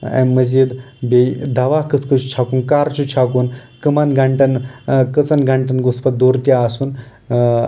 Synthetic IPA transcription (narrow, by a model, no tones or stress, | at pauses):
ḛmːəzid̪ | bed̪aʋakət͡skət͡ʃʰu̥t͡ɕʰakuːnkaɾt͡ʃʰut͡ɕʰakuːnkəmanɡʱaɳʈənkət͡sənɡʱaɳʈənɡuspət̪̚d̪oɾt̪jaːsuːn